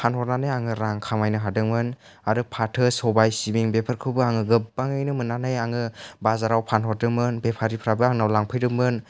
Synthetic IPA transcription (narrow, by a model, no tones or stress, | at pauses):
pʰanhɔɾnanɯjaŋɯɾaŋkʰamajnɯɦadɯŋmɯn | aɾɯpʰatʰɯsɔbajsibiŋbepʰaɾkʰɯwbɯaŋɯɡɯpbaŋɯjnɯmɯnːanɯjaŋɯbazaɾawpʰanɦɔɾdɯmɯnbepʰaɾipʰɾabɯaŋnawlaŋpʰɯjɾɯmɯn